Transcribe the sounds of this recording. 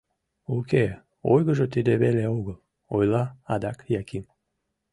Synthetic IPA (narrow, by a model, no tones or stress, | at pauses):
uke | ojɡəʒət̪ed̪eβelʲeuɣəlˠ | ojlˠaad̪akjakim